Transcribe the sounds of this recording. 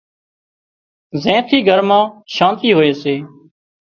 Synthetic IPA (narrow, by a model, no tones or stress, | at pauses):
zẽːt̪ʰiːɡʱəɾmãːʃãːnt̪iːɦoːeːseː